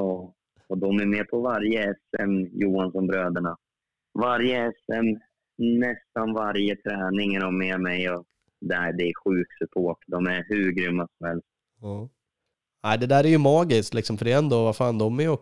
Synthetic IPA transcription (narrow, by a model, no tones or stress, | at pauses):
ɑː | ɔd̪ɔmæɾmɛːpʰɔvaɾjəɛsɛmjuːansɔmbɾøːd̪əɳa | vaɾjəɛsɛm | nɛst̪anvaɾjət̪ʰɾɛːnɪŋæɾɔmɛmɛjɔ | d̪ɛæd̪ɛæɾɧʉ̟ːksɵpʰoːʈːd̪ɔmæɾɦʉ̟ːɾɡɾʏmːasɔmhɛlst̪ | ɑː | æɪd̪ɛd̪æːɾæɾjɵmɑːɡɪskt̪lɪksɔmfœɾɛjɛnd̪oːvafɑːnd̪ɔmæjɔk